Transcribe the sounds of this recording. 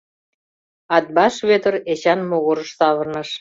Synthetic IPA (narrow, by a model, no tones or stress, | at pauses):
ɑt̪̚bɑʃβøt̪ə̆ret͡ɕɑnmoɣoɾə̆ʃsɑβə̆rnəʃ